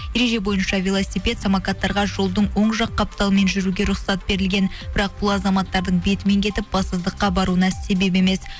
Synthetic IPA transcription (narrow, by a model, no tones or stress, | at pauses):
je̞ɾe̞ʒe̞bo̞jənʃɑvʲelˠosʲipʲe̞t̪samakɑt̪ːɑɾʁɑʒo̞lˠd̪əɴwo̞ɴʒɑqːɑp̚t̪ɑlˠəme̞nʒʏɾuɡʲeɾʊχsɑt̪̚be̞ɾɪlɡʲe̞nbɪɾɑq̚bʊlˠɑzɑmɑt̪ːɑɾd̪əɴbe̞t̪ɪme̞ŋkʲʰe̞t̪ɪp̚b̥ɑst̪əzd̪əqːɑbɑɾuənɑse̞be̞p̬e̞me̞s